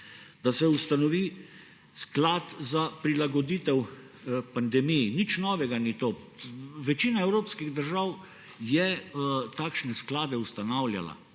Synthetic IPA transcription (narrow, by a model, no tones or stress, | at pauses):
d̪̥asɛust̪anɔʋiː | sklaːt̪zapɾilaɡɔd̪iːt̪ɛw | pand̪ɛmijnit͡ʃnɔːʋɛɡanit̪o | ʋɛt͡ʃiːnaɛwɾoːpskiɣd̪əɾʒaw | jɛt̪aːkʃnɛsklaːd̪ɛust̪anawlʲja̰la̰